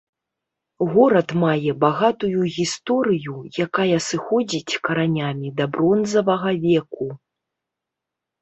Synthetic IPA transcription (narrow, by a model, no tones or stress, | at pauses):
ɣɔɾɐt̪majɛbaɣat̪ujuɣʲist̪ɔɾɨjujakajɐsɨxɔd͡zʲit͡sʲkɐɾanʲamʲid̪ɐbɾɔnzɐvɐɣɐvʲɛku